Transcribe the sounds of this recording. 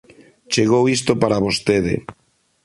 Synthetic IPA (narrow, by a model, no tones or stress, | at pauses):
t͡ʃeɣowist̪opaɾaβost̪eðɪ̰